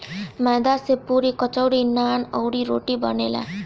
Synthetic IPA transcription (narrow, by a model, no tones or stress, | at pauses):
mɛːd̪asepuːɾikɔt͡ʃɔwɽinaːnɔwɽiɾoːʈibə̰neːla̰